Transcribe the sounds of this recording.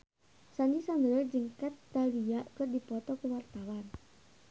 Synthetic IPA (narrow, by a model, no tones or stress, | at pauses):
sanisaŋɡəɾərd͡ʒɨŋkat̪ːaliaʔkərdipɔt̪ɔkuwart̪awan